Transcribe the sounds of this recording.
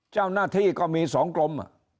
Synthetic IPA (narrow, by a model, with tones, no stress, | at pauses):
t͡ɕaː˥˩wnaː˥˩t̪ʰiː˥˩kɔː˥˩miː˧sɔː˩˦ŋklo˧mʔa̰˧˩